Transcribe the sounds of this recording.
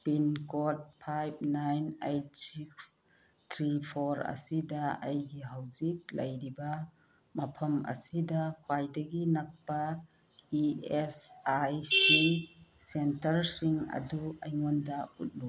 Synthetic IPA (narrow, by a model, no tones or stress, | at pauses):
pinkot̚pʰajb̚najnejt̚siks | tʰɾipʰoɾɐ̰sidɐɐjɡiɦawzik̚lɐjɾibɐ | mɐpʰɐmɐ̰sidɐkʰwajdɐɡinɐk̚pɐ | iesajsisentɐɾsiŋɐ̰duɐ̰jŋɔndɐṵt̚lu